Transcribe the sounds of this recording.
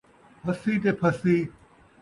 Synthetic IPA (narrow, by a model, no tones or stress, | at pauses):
pʰɐsiːt̪eːpʰɐsiː